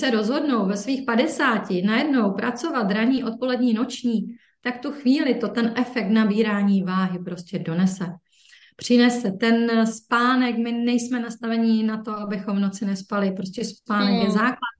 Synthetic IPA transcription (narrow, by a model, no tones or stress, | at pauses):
sɛɾo̞zɦo̞dno̞wvɛsviːxpadɛsaːcɪnajɛdno̞wpɾʔat͡so̞vat̪ɾaɲiːʔo̞t̪̚po̞lɛdɲiːno̞t͡ʃɲiː | t̪akft̪uxviːlɪt̪o̞t̪ɛnʔɛfɛk̚t̪nabiːɾaːɲiːvaːɦɪpɾo̞scʲɛdo̞nɛsɛ | pr̝̥ɪnɛsɛt̪ɛnspaːnɛkmɪnɛjsmɛnast̪avɛɲɪnat̪o̞abɪxo̞mvno̞t͡sɪnɛspalɪpɾoscɛspaːnɛkjɛzaːklat̪